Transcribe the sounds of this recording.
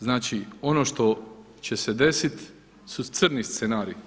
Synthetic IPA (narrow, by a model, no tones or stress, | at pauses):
znaːt͡ʃio̞noːʃt̪o̞ | t͡ɕe̞se̞d̪e̞sit̪ | sut̪sɾnist̪senaːɾi